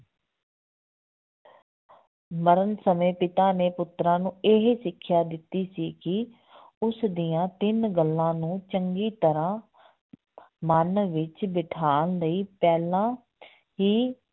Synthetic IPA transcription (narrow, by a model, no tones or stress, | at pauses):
məɾənsəmẽːpɪt̪aːneːpʊt̪ɾãːnũːeɦesɪkʰːjaːd̪ɪt̪ːiːsiːkɪ | ʊsd̪ɪjãːt̪ɪnɡəlːãːnũːt͡ʃəŋɡiːt̪əɾãː | mənʋɪt͡ʃbɪʈʰaːnləiːpɛːlãː | ɦiː